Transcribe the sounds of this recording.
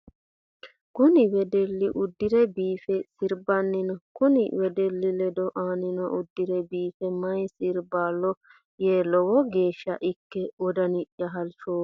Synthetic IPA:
kʊnɪwɛd̪ɛlːɪʔʊd̪ːɪɾɛbiːfɛsɪɾbɐnːɪnɔkʊnɪ̰wɛd̪ɛlːɪlɛd̪ɔʔaːnɪnɔʔʊd̪ːɪɾɛbiːfɛmɐjsɪɾbaːlːɔ | jeːlɔwɔɡeːʃːɐ̰ʔɪkːɛɔd̪ɐnɪʔjɐɦɐlʃoː

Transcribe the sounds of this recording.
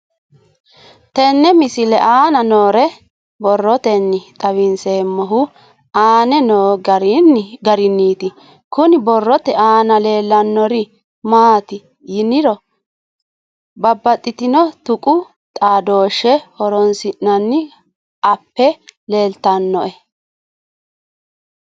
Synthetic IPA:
t̪ɛnːɛmɪsɪlɛʔaːnɐnoːɾɛ | bɔrːɔt̪ɛnːɪt̪ʼɐwɪnseːmːɔɦʊ | aːnɛnoːnɡɐɾɪnːiːt̪ɪ | kʊnɪbɔrːɔt̪ɛʔaːnɐle̞ːlːɐnːɔɾɪ | maːt̪ɪ | jɪnɪɾɔ | bɐbːɐt̪ʼːɪt̪ɪnɔt̪ʊkʼʊ | t̪ʼaːd̪o̞ːʃːɛhɔɾɔnsɪnːɐnːɪ | ɐpːɛle̞ːlt̪ɐnːɔʔɛ

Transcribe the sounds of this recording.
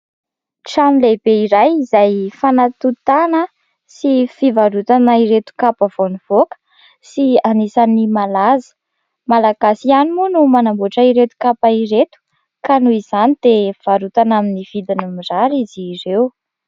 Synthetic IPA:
ʈ͡ʂamilebeiɾajizajfanat̪ut̪anə | sifivaɾut̪anaiɾet̪u̥kapəv̥oniv̥okə̥ | sianisanimalazə̥ | malaɡasianimunumanambuʈ͡ʂaiɾet̪u̥kapaiɾet̪u̥ | kanuiz̥anid̪̥ev̥aɾut̪anaminiv̥id̪inumizaɾizirew

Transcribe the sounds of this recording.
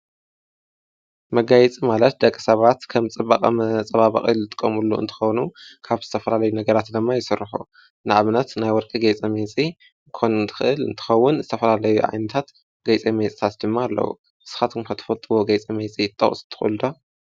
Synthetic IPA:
mɐɡajɛt͡sʼimalɐt̪̚d̪ɐkʼːɨsɐβat̪kʰɐmt͡sʼɨbakʼɐ̰mɐt͡sʼɐβaβɐ̰χʼḭlːɨt̪ʼɨ̥kʼːɐmulːuʔɨ̰nt̪ʰɨ̥xɐwnukʰaβzɨt̪ʰɐfɐlalɐjunɐɡɐɾat̪d̪ɨmːajɪsɨrːɨħṵ | nɨʔaβnɐt̪najwɔɾkʼiɡejt͡sʼɐmet͡sʼi | kʰonɨnt̪ʰɨ̥xɨʔɨlɨ̰nt̪ʰɨ̥xɐwːʊnzɨt̪ʰɐfɐlalɐjuʕa̰jnɐt̪ʰat̪ | ɡɐjt͡sʼemet͡sʼit̪ʰat̪d̪ɨmːaːlːɐ̰wṵ | ɨsɨ̥xat̪ʰɨmkʰɐt̪ʰɐ̥fɐlt̪ʼɨwoɡɐjt͡sʼimet͡sʼijɪt̪ʼːɐ̰χʼst̪ʰɨ̥xʼṵlɨd̪o

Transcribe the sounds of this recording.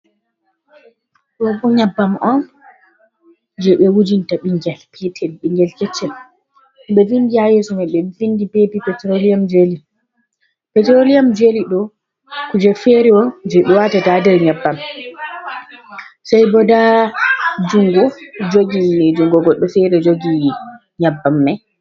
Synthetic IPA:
ɗɔbɔɲabːamɔn | d͡ʒɛɓɛwud͡ʒintaɓiŋɡɛlpʰɛtʰɛlɓiŋɡɛlkɛt͡ʃːɛl | niɓɛfindihajɛsɔmɛɓɛfindipepipɛtɾoliamd͡ʒeli | pɛtɾolijamd͡ʒeliɗɔ | kud͡ʒɛfɛɾɛwɔd͡ʒɛɓɛwatatadɛɾɲabːam | sajbɔda | d͡ʒuŋɡɔd͡ʒoɡid͡ʒuŋɡɔɡɔɗːɔfɛɾɛd͡ʒoɡi | ɲabːamːɛ

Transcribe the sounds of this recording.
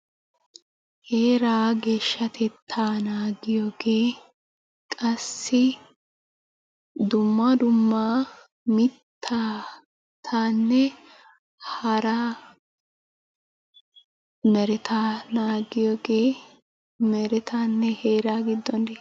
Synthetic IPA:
he̞ːɾaːɡe̞ːʃːɐt̪ʰɛt̪ʰːaːnaːɡɪjoːɡeː | kʼɐsːɪ | d̪ʊmːad̪ʊmːaː | mɪt̪ʰːaː | t̪ʰaːnːɛ | hɐɾaː | mɛɾɪt̪aːnaːɡɪjoːɡeː | mɛɾɛt̪aːnːɛheːɾaːɡɪd̪ːɔne

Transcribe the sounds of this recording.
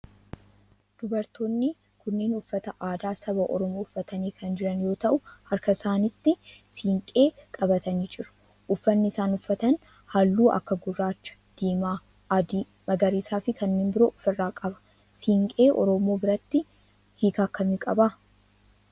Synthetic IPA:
d̪̥ʊbɐɾt̪oːnːɪ | kʊnːeːnʊfːɐt̪ɐʔaːd̪aːsɐbɐʔɔ̰ɾɔmoːʊfːɐt̪ɐniːkʰɐnd͡ʒɪɾɐnjo̞ːt̪ɐʔʊhɐɾkɐɪsaːnɪt̪ːɪsiːŋkʼe̞ːkʼɐbɐt̪ɐniːd͡ʒɪɾʊ̥ | ʔʊfːɐnːɪɪsaːnʊfːɐt̪ɐn | haːlːuːʔɐ̰kːɐɡʊrːaːt͡ʃːɐ̥d̪̥iːmaː | d̪iː | mɐɡɐɾiːsaːfɪkʰɐnːeːmbɪɾoːʔʊfɪrːaːkʼɐbɐ̥ | siːŋkʼe̞ːʔɔ̰ɾɔmo̞ːbɪɾɐt̪ːɪ | hiːkaːkːɐmiːkʼɐba

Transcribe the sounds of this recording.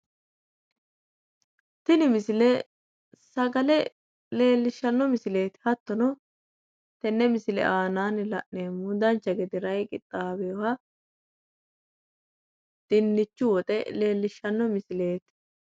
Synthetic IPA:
t̪ɪnɪmɪsɪlɛ | sɐɡɐlɛ | le̞ːlːɪʃːɐnːɔmɪsɪle̞ːt̪hɐt̪ːɔnɔ | t̪ɛnːɛmɪsɪlɛ̰ʔaːnaːnlɐ̰ʔneːmːʊd̪ɐnt͡ʃːɐɡɛd̪ɪɾɐjkʼɪ̰t̪ʼːaːbɛɔhɐ | d̪̥ɪnːɪt͡ʃːʊwɔt̪ʼɛle̞ːlːɪʃːɐnːɔmɪsɪle̞ːt̪

